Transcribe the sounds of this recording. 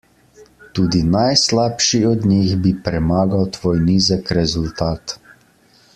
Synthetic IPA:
t̪uːd̪inajslaːpʃiɔd̪niɣbipɾɛmaːɡawt̪ʋoːjniːzəkɾɛzult̪aːt̪

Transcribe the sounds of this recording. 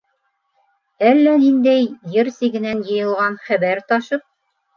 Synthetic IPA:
ælːænind̪æjjɘɾsiɡɘ̆nænjɤ̆jɤ̆lˠʁɑnχæβæɾt̪ɑʃɤp̚

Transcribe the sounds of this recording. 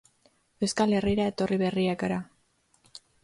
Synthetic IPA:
e̞wskale̞riɾae̞t̪o̞riβe̞riakaɾa

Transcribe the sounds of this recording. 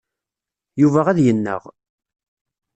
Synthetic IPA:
juvæʁæðjənːə̰ʁ

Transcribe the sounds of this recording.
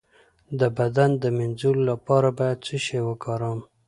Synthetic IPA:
d̪əbad̪and̪əmɪnzullapɑɾabɑjad̪̚t͡səʃewəkɑɾɑm

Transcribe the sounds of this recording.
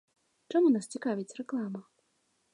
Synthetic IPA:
t͡ʂamunast͡sʲikavʲit͡sʲrɛklˠamɐ

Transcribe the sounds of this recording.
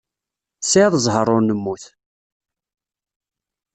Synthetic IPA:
sʕəðˤəzˤɦəɾˤːʊɾnəmːuθ

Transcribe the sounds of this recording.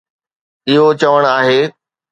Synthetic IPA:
ɪɦot͡ɕɐʋəɽ̃aːɦeː

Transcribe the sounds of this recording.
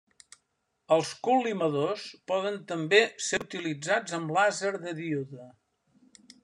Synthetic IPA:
əlˠskulːiməðospɔðənt̪əmbeseut̪ilid͡zad͡zəmblazəɾðəðiuðə

